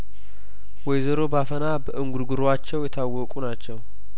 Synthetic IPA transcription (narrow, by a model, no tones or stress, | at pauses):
wɔjzəɾo̞bafənabəʔɨŋɡuɾɡuɾoat͡ʃːɛwjɛt̪ʰawːɔkʼunat͡ʃːɛw